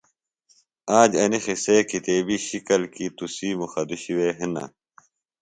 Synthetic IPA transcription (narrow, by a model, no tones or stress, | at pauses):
aːd͡ʑɐnixiseːkit̪eːbiɕikɐlkit̪usiːmuxɐd̪uɕiweːɦinɐ̰